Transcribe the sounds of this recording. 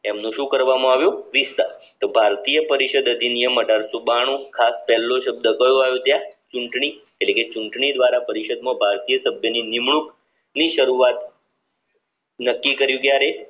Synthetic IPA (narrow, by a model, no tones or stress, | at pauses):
emnũʃũkəɾʋamãaʋjõʋist̪at̪obʱaɾt̪ijəpəɾiʃəd̪əd̪ʱinijəmːəɖaɾsubaɽ̃ũkʰaspɛlːoʃəb̚d̪əkəjoajot̪jat͡ʃuɳʈɳi | eʈleket͡ʃuɳʈɳid̪ʋaɾapəɾiʃəd̪mãbʱaɾt̪ijəsəbʱjəninimɳuk | niʃəɾuat̪ | nəkːikəɾjũkjaɾe